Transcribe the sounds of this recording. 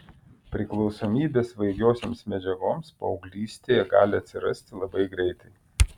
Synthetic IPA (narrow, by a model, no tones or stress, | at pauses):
pʲɾʲɪklˠɒʊsoːmʲiːbʲeːsʋɐɪɡʲoːsʲoːmsmʲɛd͡ʒʲɛɡoːmspɐɒʊɡlʲiːsʲt̪ʲeːjɛɡɑ̰ːlʲɪɐt̪ʲsʲɪɾɐsʲt̪ʲɪlˠɐbɐɪɡɾʲɛɪt̪ɐɪ